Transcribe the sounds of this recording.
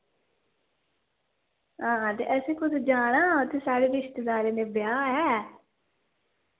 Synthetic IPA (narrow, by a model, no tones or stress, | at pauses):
ɦãːt̪ḛːʔɛseːkʊd̪d͡ʒaːɽ̃aːʊt̪ʰːeːsaːɽeːɾɪɪʃt̪ed̪aːɾeːneːbjaːɦɛː